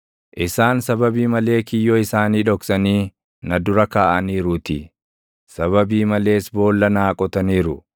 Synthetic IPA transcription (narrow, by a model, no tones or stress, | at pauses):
ʔɪsaːnsɐbɐbiːmɐle̞ːkɪjːɔɪsaːniːᶑɔksɐniː | nɐd̪ʊɾɐkaːʔɐniːɾʊt̪ɪ | sɐβɐbiːmɐle̞ːsbo̞ːlːɐnaːkʼɔt̪ɐniːɾʊ